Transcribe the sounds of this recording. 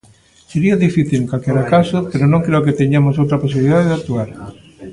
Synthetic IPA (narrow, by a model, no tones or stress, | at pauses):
seɾiaðifiθilkalkeɾakasopeɾonõŋkɾeok̬et̪eɲamosowt̪ɾaposiβliðaðeðak̚t̪uaɾ